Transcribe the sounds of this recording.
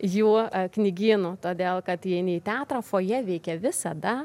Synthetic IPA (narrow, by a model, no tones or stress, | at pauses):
juːknʲɪɡʲiːnuːt̪oːd̪ʲeːlˠkɐt̪jiɛɛɪnɐiːt̪ʲæːt̪ɾɐːfoːjɛʋʲɛɪkʲɛʋʲɪsɐd̪ɐ